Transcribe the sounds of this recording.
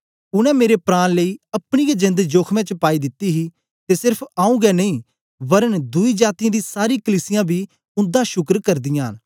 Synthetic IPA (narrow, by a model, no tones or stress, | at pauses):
ʊnɛ̃ːmeːɾepɾaːnləiːəpɳijaːd͡ʒɪ̃nd̪d͡ʒoːkʰmɛ̃ːt͡ʃpaːiːd̪ɪt̪ːiːɦiː | t̪eːsɪɾpʰaːũːɡɛːnəĩː | bəɾənd̪ʊiːd͡ʒaːt̪ijãːd̪iːsaːɾiːkəliːsɪjãːbiː | ʊ̃nd̪aːʃʊkɾkəɾd̪ɪjãːn